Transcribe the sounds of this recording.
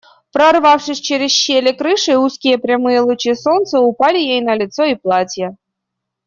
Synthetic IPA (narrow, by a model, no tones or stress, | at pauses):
pɾɐrvafʂɨsʲt͡ɕeɾʲɪsɕːelʲɪkɾɨʂɨuskʲɪjəpɾʲamɨjəlˠʊt͡ɕisont̪səʊpalʲɪjejnɐlʲɪt̪soiplˠatʲjə